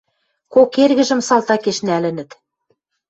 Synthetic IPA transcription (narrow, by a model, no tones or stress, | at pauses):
kokerɣɘ̆ʒɘ̆msɑlˠt̪ɑkeʃnælɘ̆nɘ̆t̪